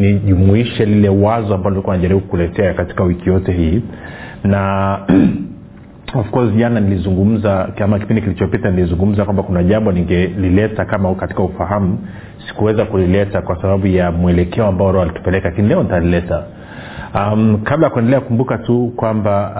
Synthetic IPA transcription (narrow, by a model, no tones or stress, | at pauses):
niʄumuiʃɛlilɛwazɔambaɔnilikuwanaʄaɾiɓukkulɛtɛakati̥kawikijɔtɛɦiː | na | ɔfkɔziʄananilizuŋɡum̩zaamak̬ipindikilit͡ʃɔpitanilizuŋɡum̩zakwambakunaʄambɔniŋɡɛlilɛtakamakati̥kaufaɦamu | si̥kuwɛzakulilɛtakwasaɓaɓujamuɛlɛkʰɛɔambaɔɾɛalitu̥pɛlɛkalakinilɛɔnitalilɛta | mkablajakwɛndɛlɛakumbukatukwamba